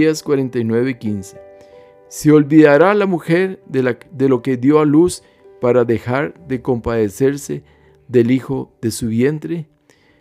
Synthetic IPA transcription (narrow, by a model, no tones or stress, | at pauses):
askwaɾent̪ajnwe̞βekinse̥ | seolbiðaɾalamuxeɾd̪elo̞ke̞ðjo̞alus | paɾaðexaɾðe̞ko̞mpaðese̞ɾse | ðe̞lixo̞ðe̞suβjent̪ɾe